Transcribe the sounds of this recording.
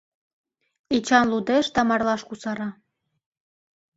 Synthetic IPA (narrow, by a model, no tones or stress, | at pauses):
et͡ɕɑnlud̪eʃt̪ɑmɑrlɑʃkusɑɾɑ